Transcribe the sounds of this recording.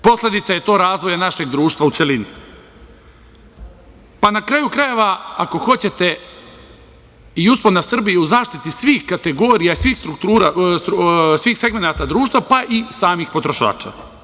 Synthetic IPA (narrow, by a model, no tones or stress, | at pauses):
po̞sle̞d̪it̪saje̞t̪o̞ːɾaːzʋo̞janaʃe̞ɡd̪ɾuːʃt̪vʋaut̪se̞lini | panakɾajukɾaje̞ʋaako̞xo̞t͡ɕe̞t̪e̞ | iusponasr̩bijiuzaːʃt̪it̪isʋiːxkat̪e̞ɡo̞ːɾijaisʋiːxst̪ɾukt̪uːɾassʋiːxse̞ɡme̞naːt̪ad̪ɾuːʃt̪vʋapaʔisaːmixpo̞t̪ɾo̞ʃa̰ːt͡ʃa̰ː